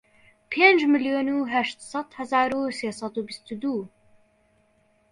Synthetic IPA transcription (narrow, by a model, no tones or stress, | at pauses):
pʰeːnd͡ʒmɨljoːnuɦæʃt̪sɑt̪hæzaːɾuseːsˤɑd̪ubist̪ud̪uː